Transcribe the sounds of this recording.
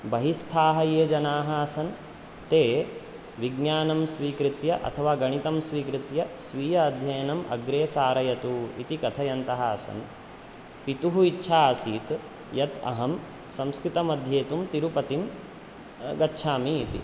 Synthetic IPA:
bɐɦist̪ʰaːɦɐjeːd͡ʒɐnaːɦɐɐsɐn | t̪eː | ʋiɡnjaːnɐmsʋiːkɾɪt̪jɐʔɐ̰t̪ʰɐʋaːɡɐɳ̃it̪ɐmsʋiːkɾɪt̪jɐsʋiːjɐːd̪ʱjɐjɐnɐmʔɐ̰ɡɾeːsaːɾɐjɐt̪uit̪ikɐt̪ʰɐjɐnt̪ɐɦɐɐsɐ̰n | pit̪uɦuitːʃʰaːɐsiːt̪ | jɐt̪ɐ̰ɦɐm | sɐ̃mskɾit̪ɐmɐd̪ʱjeːt̪umt̪iɾupɐt̪im | ɡɐtːʃʰaːmiːt̪ḭ

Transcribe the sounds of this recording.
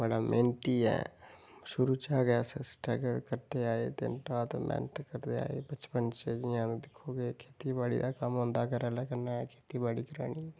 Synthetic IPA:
bəlamʔẽːnt̪iɦɛ̰ | ʃʊɾut͡ʃaɡɛsesʈɛːɡəɾkəɾt̪eaːet̪ḛnʈat̪mɛ̰ːnət̪kɐɾt̪ea̰ːḛbɐt͡ʃpənt͡ʃed͡ʒãd̪ɪkʰoɡekʰeːt̪ibaːɽḭd̪akamõnd̪akəɾɛlakɐɾnaɦɛkʰeːt̪ibaːɽikɾa̰ːñi

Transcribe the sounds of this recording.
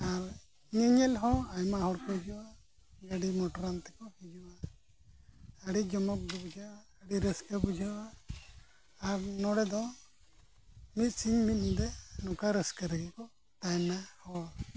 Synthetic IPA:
aɾ | ɲɛɲɛlɦɔ̃ajmaɦɔɽkɔd͡ʒuwa | ɡaɖimɔʈɔɾant̪ɛ̥kɔhid͡ʒuwa | əɽid͡ʒɔmɔk̚d̪ɔbud͡ʒʱaaːɽiɾɛskabud͡ʒʱawa | ɾnɔɽɛd̪ɔ̃ | mit̪̚siɲmit̪̚ˀd̪ɛnɔkaɾɛskaɾɛɡɛkɔ | t̪ajnahɔ

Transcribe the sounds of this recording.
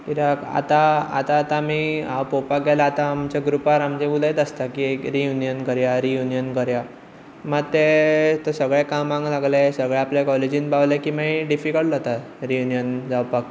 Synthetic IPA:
kid̪aka̰t̪aa̰t̪aːt̪amiawpopak̚ɡʱalaːt̪ãːmt͡ɕjaɡɾupaɾamd͡ʑebuləjt̪əst̪akiekɾijunijənkəɾjaɾijunijənkəɾja | maɡt̪et̪əsəɡɭẽkamãŋɡlaɡlesəɡɭaaplekɔled͡ʑinbawlekiːmaiɖifikəɭʈat̪a | ɾijunijənd͡zawpak

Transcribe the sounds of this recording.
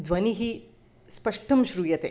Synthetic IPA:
d̪ʋɐniɦi | spɐʂʈɐmʃɾuːjɐt̪ḛ

